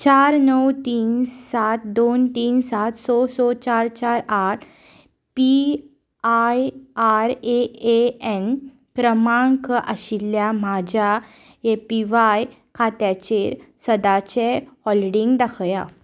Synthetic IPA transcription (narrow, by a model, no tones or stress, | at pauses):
t͡ɕaɾnəwt̪iːnsat̪d̪ont̪iːnsat̪sɔsɔt͡ɕaɾt͡ɕaɾaʈʰ | pi | ajaɾeeɛn | kɾəmãŋkʔəɕilːjamad͡ʑʱa | epiʋaj | kʰat̪jat͡ɕeɾsəd̪at͡ɕehɔliɽiŋɡd̪akʰja